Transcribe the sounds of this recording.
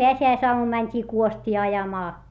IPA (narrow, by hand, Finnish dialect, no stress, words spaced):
peæsiæisoɑmum mænʲtʲiː kuostʲiː ɑjɑmɑː